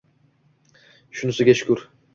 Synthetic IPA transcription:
ʃunusuɡʲɛt͡ʃkʲyɾ

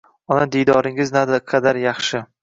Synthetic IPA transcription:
ɒnad̪ijd̪ɒɾɪŋɪznad̪ɪqʰɑd̪aɾjɑχʃɪ

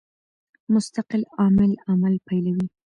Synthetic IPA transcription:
mʊst̪aqɪlɑmɪlamalpajlawi

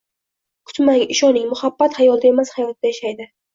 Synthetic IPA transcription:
kʰʊ̥t̪maŋɪʃɒnɪŋmʊhabːat̪ajɒlˠd̪ae̞mashajɒt̪̚d̪ajaʃajd̪ɪ

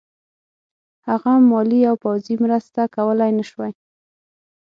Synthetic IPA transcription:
haɣamːɑliawpawzimɾəst̪akawəlajnaʃwaj

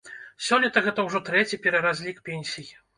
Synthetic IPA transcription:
sʲɔnʲːɐt̪ɐɣɛt̪ɐwʐɔt̪ɾɛt͡sʲipʲɛɾɐɾazʲlʲikpʲenʲsʲiji

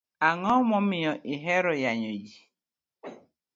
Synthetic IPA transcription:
aŋɔmɔmijɔʔiɦeɾʊjaɲod͡ʒi

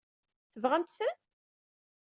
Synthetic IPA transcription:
θəvʁæmt̪sən

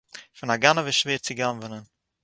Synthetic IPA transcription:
fɪnaɡanəvəʃveːɾt͡sɪɡanvənən

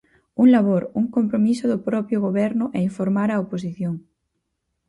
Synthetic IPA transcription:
uŋlaβoɾuŋkompɾomisoðopɾɔpjoɣ̞oβ̞eɾnoʔeiɱfoɾmaɾaoposiθjoŋ

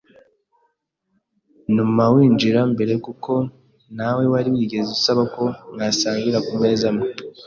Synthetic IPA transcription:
numawiːɲd͡ʒiɾambe̞ɾe̞kukʰo̞ | nawe̞waɾiwiɡeziusaβako̞ŋɡasaːŋɡiɾakume̞ːzamu

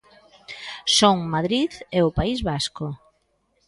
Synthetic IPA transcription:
soŋmaðɾiðeʊpaizβaskʊ

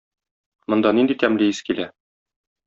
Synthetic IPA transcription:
mŏnd̪ɑnind̪it̪æmlɘiskilæ

